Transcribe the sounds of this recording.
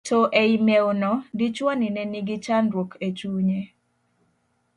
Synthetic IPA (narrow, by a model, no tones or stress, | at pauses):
tʰoʔeimeonɔdit͡ʃwanɪnɛniɡɪt͡ʃanɾwokʰet͡ʃuɲe